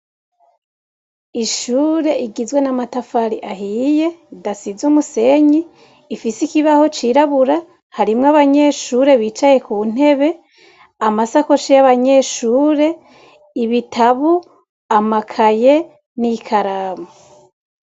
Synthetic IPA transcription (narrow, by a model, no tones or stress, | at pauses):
iʃuːɾe̞ʔiɡizwe̞namatafaɾiʔaɦiːje̞dasizumuse̞ɲiː | fisikiβaho̞t͡ʃiːɾaβuɾa | haɾimŋaβaɲe̞ʃuɾe̞βiːt͡ʃaje̞kun̥e̞βe̞ | amasako̞ʃijaβaɲe̞ʃuːɾe̞ | iβitʰaβu | amakʰaje | nikʰaɾaːma